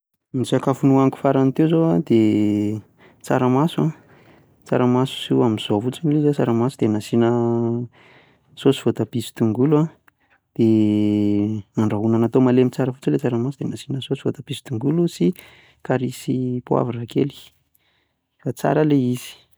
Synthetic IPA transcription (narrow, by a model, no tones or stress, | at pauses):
misakafunuaŋku̥faɾanit̪ewzoad̪e | t͡sa̰ɾamasuã | t͡sa̰ɾamasu̥suamiz̥ovut͡sinilizat͡saɾamasud̪enasinə | sosi̥v̥ot̪apisi̥t̪uŋɡulua | d̪̥e | maɳɖ͡ʐaɦunanat̪omalemit͡saɾəfut͡səlet͡saɾamasud̪̥enasinəsosi̥vot̪apisi̥t̪uŋɡulusi | kaɾisipua̰virakḛli̥ | fat͡sa̰ɾəleiz̥i̥